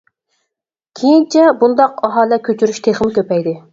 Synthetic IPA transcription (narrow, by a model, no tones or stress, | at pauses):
kʲʰejint͡ʃʰɛbund̪ɑqɑɦɑːlɛkʲʰøt͡ʃʰyɾyʃt̪ʰeχmɪkʲʰøpɛjd̪ɪ